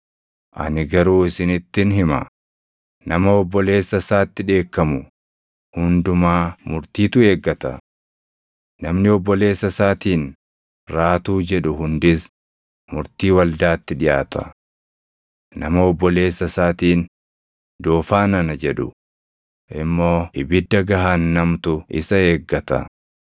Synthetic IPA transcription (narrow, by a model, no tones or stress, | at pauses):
ʔɐ̰nɪɡɐɾuːɪsɪnɪt̪ːɪnɦɪmɐ̰ | nɐmɐɔbːɔle̞ːsːɐsaːt̪ːɪᶑe̞ːkːɐmʊ | hʊnd̪ʊmaːmʊɾt̪iːt̪ʊeːɡːɐt̪ɐ̰ | nɐmnɪɔbːɔle̞ːsːɐsaːt̪iːn | ɾaːt̪uːd͡ʒɛᶑʊhʊnd̪ɪs | mʊɾt̪iːwɐld̪aːt̪ːɪᶑɪjʔaːt̪ʰɐ̰ | nɐmɐɔbːɔle̞ːsːɐsaːt̪iːn | d̪oːfaːnɐnɐd͡ʒɛᶑʊ̰ | ʔɪmːo̞ːɪbɪd̪ːɐɡɐɦaːnːɐmt̪ʊʔɪ̰sɐe̞ːɡːɐt̪ɐ̰